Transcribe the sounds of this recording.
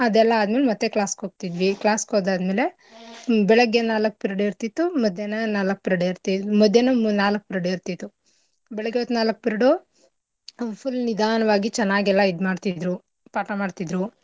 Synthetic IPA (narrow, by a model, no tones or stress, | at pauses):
ɐd̪ɛlːɐːd̪ɐmeːlemɐt̪ːeklaːskoːɡ̚t̪id̪ʋiklaːskoːd̪aːd̪meːle̞ | bɛɭɐɡenaːlɐk̚ːpiɾɐɖiɾt̪it̪ːumɐd̪ʱjenɐnaːlɐk̚piɾɐɖeɾt̪imɐd̪ʱːjenɐnaːlɐk̚ːpiɾɐɽeɾt̪it̪ːu | bɛɭɐɡeot̪naːlɐk̚piɾɐɽo | pʰulnid̪ʱaːnɐʋaːɡit͡ʃɛnːaːɡɛlːɐid̪maːɖt̪id̪ɾu | paːʈɐmaːɖt̪id̪ɾu